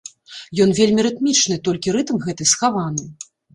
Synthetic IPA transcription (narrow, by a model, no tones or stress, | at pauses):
jɔnvʲelʲmʲiɾɨt̪mʲit͡ʂnɨt̪ɔlʲkʲiɾɨt̪mɣɛt̪ɨsxavanɨ